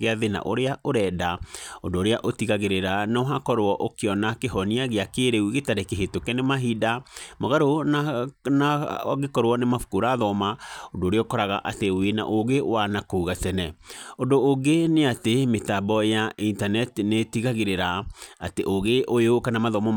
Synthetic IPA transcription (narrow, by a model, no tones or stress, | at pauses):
eaðena̰ʔo̰ɾeaʔoɾɛdaondoːɾeaʔotiɣaɣeɾeɾanaoɦakɔɾwɔʔokeɔnakeɦɔniaɣeakeɾeuɣetaɾekeɦetokɛnemaɦidamoɣaɾonanaɣekɔɾwɔnemafu̥koɾaðɔmaondoːɾeɔkɔɾaɣa̰ʔatewena̰ʔoɣewanakouɣatɛnɛondoːŋɡeneatemetabɔjaintanɛtnetiɣaɣeɾeɾaa̰teʔoɣeʔojeokanamaðɔmɔ